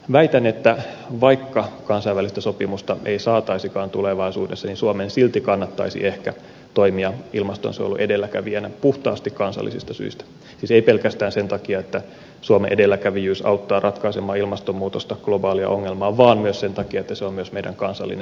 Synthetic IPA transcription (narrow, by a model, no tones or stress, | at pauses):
ʋæit̪ænet̪ːæ | ʋɑikːɑkɑnsɑiʋælist̪æsopimust̪ɑʔeisɑːt̪ɑisikɑːnt̪uleʋɑisuːdesːɑninsuomensilt̪ikɑnːɑt̪ːɑ̰isḭʔehkæ | t̪oimiɑilmɑst̪o̰nsḛjo̰lṵʔedelːækæʋienæpuht̪ɑ̰ːst̪ikkɑnsɑ̰lːḭsḭst̪ɑsy̰ist̪æ̥ | siːseipelkæst̪æːnsent̪ɑkiɑet̪ːæ | suomeʔedelːækæʋijyːsɑ̰ut̪ːɑːrʔɑt̪kɑisemɑːilmɑst̪omːuːt̪ost̪ɑɡ̥lobɑːliɑ̰ʔoŋːelmɑːʋɑːnmyøssent̪ɑkiɑet̪ːæseommyøsmeidæ̰ŋkɑnsɑ̰lːḭnen